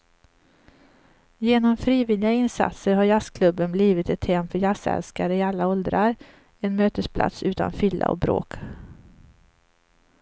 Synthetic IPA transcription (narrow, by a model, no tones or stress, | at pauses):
jeːnɔmfɾiːvɪlːɪɡaɪnsa̰t̪səɾɦaɾjaskʰlɵbːənbliːvɪt̪ɛt̪hɛmfœɾjasɛ̰lskaɾəɪalːaɔld̪ɾaɾ | ɛnmøːt̪əspʰla̰t̪sʉ̟ːt̪ʰa̰nfʏlːa̰ɔ̰bɾo̰ːk